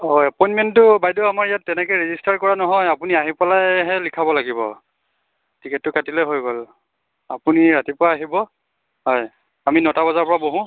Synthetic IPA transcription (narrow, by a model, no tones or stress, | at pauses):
ɔjapɔjnmɛntʊbajduamaɹijatːɛnɛkɔjɹezistaɹkɔɹanɔɦɔjapuniaɦipɔlajɦɛlikʰabɔlaɡibɔ̰ | tʰikɛtːʊkatilɛɦojɡol | apuniɹatipʊwaːɦibɔ | ɦɔj | aminɔtabazaɹpɔɹaboɦũ